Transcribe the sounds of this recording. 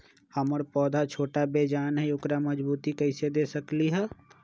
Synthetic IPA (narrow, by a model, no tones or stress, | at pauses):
hɐməɾpɔːd̪ʱat͡ʃʰoːʈabeːd͡ʒaːnɦɛjʊkɾamɐd͡ʒbuːt̪ikɛɪsed̪eːsɐkliɦɛː